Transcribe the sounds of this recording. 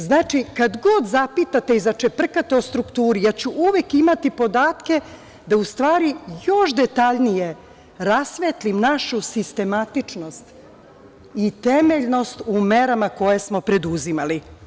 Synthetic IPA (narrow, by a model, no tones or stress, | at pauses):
znaːt͡ʃikad̪ɡo̞d̪zapit̪at̪e̞izat͡ʃe̞pr̩kat̪eo̞st̪ɾukt̪uːɾijat͡ɕuʔuʋe̞kimat̪ipo̞d̪aːt̪ke̞ | d̪aust̪ʋaːɾijo̞ʃd̪et̪aʎnije | ɾasʋet̪limnaʃusist̪e̞mat̪it͡ʃno̞st̪ | it̪e̞meʎno̞st̪umeɾamako̞je̞smo̞pɾe̞d̪uzimali